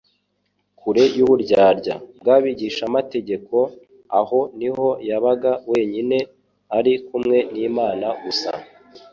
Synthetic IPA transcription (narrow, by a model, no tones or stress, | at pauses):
kuɾe̞juβuɾɟaːɾɟa̰bɡaːβiɟiʃamate̞ɟe̞ko̞ | aho̞niho̞jaβaɡawe̞ːɲine̞ | aɾikumŋe̞niːmaːnaɡusa̰